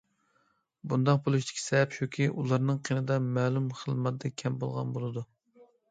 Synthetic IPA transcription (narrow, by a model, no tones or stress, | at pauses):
bund̪ɑq̚bolˠuʃt̪ʰɪ̥kʲʰi̥sɛɛpʃukʲʰiʔulˠɑɾnɨŋqʰinɨd̪ɑmɛːlˠumχəlˠmɑt̪d̪ɛkʲʰɛmbolˠʁɑ̰nbolˠɨd̪u